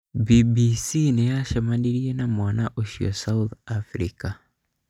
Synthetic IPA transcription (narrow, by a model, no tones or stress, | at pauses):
bibisinɛjaʃamaniɾienamwanaʔoʃiɔ̰sauθafɾḭka